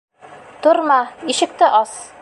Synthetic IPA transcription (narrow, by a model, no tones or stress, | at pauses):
t̪ŏɾmɑiʃɘ̆k̚t̪ɘʔɒs